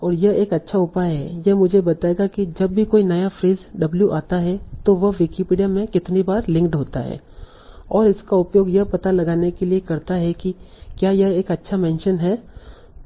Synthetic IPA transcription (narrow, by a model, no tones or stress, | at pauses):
ɔːɾjɐɦeːkɐtːʃʰaʊpaːjɦɛ̰jɐɦmʊd͡ʒʱebɐt̪aːeɡakid͡ʒɐbːʱikoːinɐjafɾiːzɖɐbljuʔaːt̪aɦɛt̪oʋɐɦʋɪkipiːɖijamẽkɪt̪nibaːɾlɪ̃ŋkʈɦoːt̪a̰ɦɛ̰ː | ɔːɾɪskaʊpjoːɡjɐɦpɐt̪alɐɡaːnekeliekɐɾt̪aɦɛki | kjaːjɐɦeːkɐtːʃʰamɛ̃ːnʃənɦɛː